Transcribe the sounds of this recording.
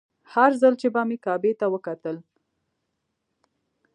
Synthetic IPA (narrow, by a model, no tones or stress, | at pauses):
haɾzalt͡ʃebɑmekɑbet̪awəkat̪əl